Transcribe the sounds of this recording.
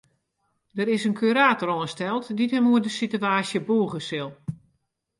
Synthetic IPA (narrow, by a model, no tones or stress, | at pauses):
dəɾɪsənkʰyɾaːtɔɾɔnstɛlˠtditəmuədəsityaːsjəbuːɣəsɪlˠ